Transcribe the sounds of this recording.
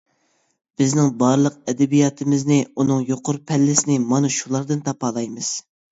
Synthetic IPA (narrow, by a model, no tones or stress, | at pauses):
b̥ɪznɪŋbɑɾlˠəq̚ɛd̪ɛbijɑt̪ʰɨmɪznɪunɨŋjoqʰʊɾpʰɛlːɪsɪnɪmɑnɨʃulˠɑɾd̪ɨnt̪ʰɑpɑːlˠɑjmɨz̥